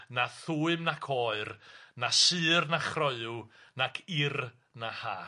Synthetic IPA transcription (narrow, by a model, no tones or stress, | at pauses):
naθuːɨmnakʰɔːɨrnasɨːrnaχrɔɨunakʰɪr | nahaː